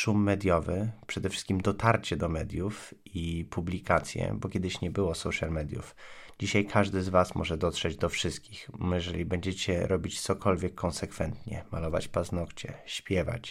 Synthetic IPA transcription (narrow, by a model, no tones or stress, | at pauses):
ʂumːɛd̪ʲjɔvɘpʂɛd̪ɛfʂɘ̥st̪kʲimd̪ɔt̪aɾt͡ɕɛd̪ɔmɛd̪ʲjufipublʲikat̪sʲjɛ̰bɔkʲjɛd̪ɘɕɲɛbɘwɔsɔwʂalmɛd̪ʲjṵfd͡ʑiɕajkʰaʐd̪ɘzvasmʔɔ̰ʐɛd̪ɔt̪ʂɛd͡ʑd̪ɔfʂɘst̪̚kʲixjɛʐɛlʲibɛɲd͡ʑɛt͡ɕɛɾʔɔbʲit͡ɕt̪sɔkʰɔlvʲjɛkʰːɔnsɛkfɛnt̪ɲɛ̰malɔva̰t͡ɕpaznɔkt͡ɕɛ̰ɕpʲjɛva̰t͡ɕ